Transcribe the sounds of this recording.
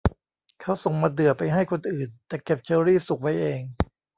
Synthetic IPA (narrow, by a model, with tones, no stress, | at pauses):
kʰa˦˥wso˨˩ŋmaː˧dɯ˨˩əpa˧jɦa˥˩jkʰo˧nʔɯː˨˩nt̪ɛː˨˩ke˨˩p̚t͡ɕɤː˧ɾiː˥˩su˨˩k̚wa˦˥jʔeː˧ŋ